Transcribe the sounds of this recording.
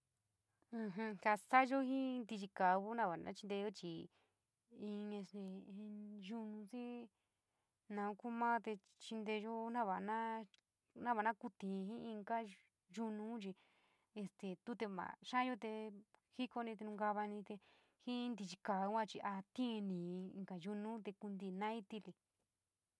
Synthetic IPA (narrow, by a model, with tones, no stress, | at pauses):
ɦũ˧ka˧sa˦ʒo˦hĩ˦nd̪i˧t͡ʃi˧ka˨βu˦nã˦βa˨nã̰˦t͡ʃi˧nd̪e˧o˦t͡ʃi˧˨ | ĩ˧ẽ˧st̪e˧ĩ˧ʒu˧nũ˧si˦ | nã˧u˧ku˦mã˦t̪e˧ | t͡ʃi˧nd̪e˧jo˦nã˦βa˨˧nã˦ | nã˦βa˨˧nã˦ku˧t̪ĩ˨˧ɦĩ˦ĩ˧ŋɡa˦ | ʒu˧nũ˦t͡ʃi˧ | e˧st̪e˨t̪u˦t̪e˧βã̰˨ʃã˦jo˦t̪e˧hi˦ko˧nĩ˧t̪e˧nũ˧ɡa˧βa˧nĩ˧t̪e˧ | hĩ˦˧nd̪i˧t͡ʃi˧ka˨˧˦kʷã˦˧t͡ʃi˧ʔa˧t̪ĩ˦˧nĩ˨˧ŋka˨ju˧nũ˦t̪e˧ku˧nd̪i˧nã˦i˦t̪i˧li˧